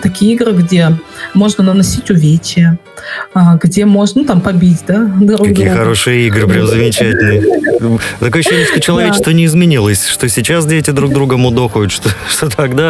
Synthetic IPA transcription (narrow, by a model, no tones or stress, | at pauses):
t̪ɐkʲijəiɡɾɨɡdʲe̞mo̞ʐnənənɐsʲitʲʊvʲet͡ɕɪjə | aɡdʲe̞mo̞ʐnənut̪ampɐbʲitʲd̪ad̪ɾuɐɡk̪ʲijəxɐɾo̞ʂɨjəiɡɾɨpɾʲamzəmʲɪt͡ɕætʲɪlʲnɨjə | t̪ɐkojəɕːenʲɪsʂt̪ot͡ɕɪlˠɐvʲet͡ɕɪst̪vənʲɪːzmʲɪnʲilˠəsʲʂt̪o̞sʲɪt͡ɕasdʲetʲɪd̪ɾuɡ̚d̪ɾuɡəmʊd̪oxəjʊt̪ʂt̪oʂt̪ot̪ʰakd̪a